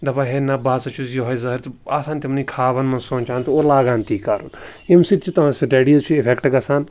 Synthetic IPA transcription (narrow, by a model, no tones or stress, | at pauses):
d̪ɐbaɦenɐbaːsɐt͡ʃʰusjoɦɐizɐɦɾt̪aːsãːnt̪ʲimnikʰaːʋɐnmɐnsoːnʲt͡ʃaːnt̪uolaːɡaːnt̪ʰiːkːaːɾṵːn | imsit̪t͡ʃʰit̪ɐ̃sɾeːɖijɐzt͡ʃʰuɪpʰekʈɡɐsaːn